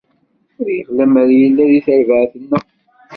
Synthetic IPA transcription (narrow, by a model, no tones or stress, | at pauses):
ʊɾjəχlæməɾjəlːæðiθəɾvəʕθənːə